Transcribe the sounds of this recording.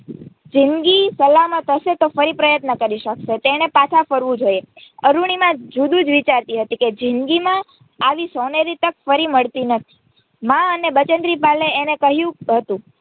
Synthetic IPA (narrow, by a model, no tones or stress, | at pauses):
d͡ʒɪnɡisəlamãt̪ʰəʃet̪ofəɾipɾəjət̪nəkəɾiʃəkʃet̪eɽ̃epat̪ʰafəɾʋũd͡ʒojeəɾuɳ̃imãd͡ʒud̪ũd͡ʒʋit͡ʃaɾt̪iɦət̪iked͡ʒɪnɡimãː | ʋisoneɾit̪ək̚fəɾiməɭt̪inət̪ʰi̥ | mãənebət͡ʃənd̪ɾipaleːnekəɦjũɦət̪ũ